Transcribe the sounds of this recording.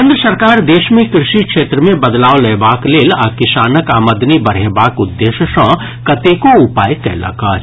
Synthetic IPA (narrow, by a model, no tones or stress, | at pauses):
ẽnd̪ɾəsɐɾkaːɾd̪eːʃmẽkɾɪʃikʃeːt̪ɾəmẽbɐd̪laːolɐːbaːkleːlakɪsaːnəkaːməd̪nibɐɽ̤eːbaːkʊd̪ːeːʃəʃɐ̃ː | kɐt̪eːkoʊpaːjk̪ɛ̰ːla̰ka